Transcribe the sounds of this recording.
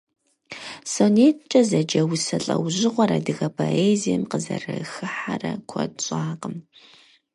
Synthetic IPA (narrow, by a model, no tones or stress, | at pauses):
soneːt̚ʰt͡ʃʼɐzɐd͡ʒɐwsɐɬʼɐwʑɪʁʷɔɾɐ̰dɨɣɐpʰoʔeːzijɛmqəzɐrɐxɨħarɐkʷʰɔdɕʼaːqəm